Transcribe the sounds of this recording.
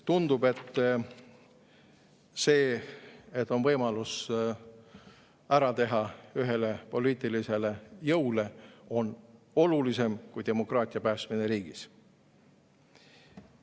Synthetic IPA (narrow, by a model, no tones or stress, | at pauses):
t̪und̪ube̞t̪ː | se̞ː | et̪ːˑo̞nvɤjmɑlus | æɾɑt̪e̞ɦɑyɦe̞le̞po̞liːt̪ˑilise̞le̞jɤwle̞o̞n | o̞lulise̞mkujd̪e̞mo̞krɑːt̪ʲˑiɑpæːst̪mine̞ɾiːɡ̥is